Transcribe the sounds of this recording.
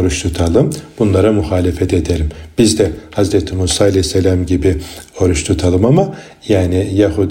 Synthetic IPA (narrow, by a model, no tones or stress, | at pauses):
ɾuʃt̪ʰut̪ʰalˠɯmb̥unlˠaɾamuxaːlʲefɛt̪ʰed̪elʲimb̥izd̪ɛhazɾɛt̪ʰimuːsaːalʲɛjsːɛlʲamɟibio̞ɾuʃt̪ʰut̪ʰalˠɯmama | jaːnijaɦuːd̪